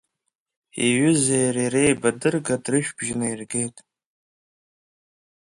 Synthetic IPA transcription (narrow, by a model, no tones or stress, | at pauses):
ḭɥʏzejɾirejbadɨrɡadrɨʃᶣbʒɪnairɡe̞jtʼ